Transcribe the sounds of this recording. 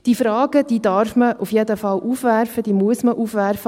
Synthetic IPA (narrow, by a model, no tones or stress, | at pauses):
d̥ifɾɑːɡ̥əd̥iːd̪ɑrfməʔufjed̪əfɑlʔuːfʋærfəd̪iːmuəsməʔuːfʋærfə